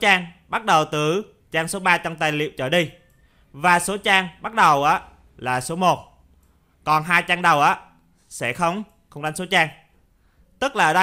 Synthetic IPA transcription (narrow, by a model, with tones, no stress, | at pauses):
t͡ɕaː˧ŋɓa˦˥t̚ɗə˨˩wt̪ɨ˧˩ | t͡ɕaː˧ŋso˨˦ɓaː˧t͡ɕɔ˧wŋ͡mt̪aː˨˩jlḭ˧˨əwt͡ɕəː˧˩ɗi˧ | vaː˨˩so˨˦t͡ɕaː˧ŋɓa˦˥t̚ɗə˨˩wʔəː˨˦ | laː˨˩so˨˦mo˨˩t̚ | kɔ˨˩nɦaː˧jt͡ɕaː˧ŋɗə˨˩wʔəː˨˦ | sɛ̰˧˥xə˧wŋ͡m | xə˧wŋ͡mɗa˨˦ŋso˨˦t͡ɕaː˧ŋ | t̪ɨ˦˥k̚laː˨˩˨ə˧˦ɗə˧